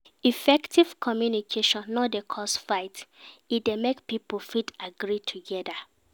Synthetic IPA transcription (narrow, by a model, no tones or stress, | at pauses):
ifɛktiv̥kʰɔmjunikʰeʃɔ̃nːɔdekʰɔsfaɪtidemekpipolfitaɡɹitʰuɡɛda